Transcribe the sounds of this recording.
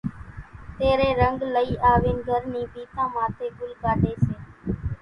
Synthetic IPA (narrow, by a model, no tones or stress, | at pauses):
t̪eːɾeːɾəŋɡləiːʔaːʋeːnɡʱəɾnĩːbiːt̪ãːmãːt̪ʰeːɡʊlɡaːʈeːseː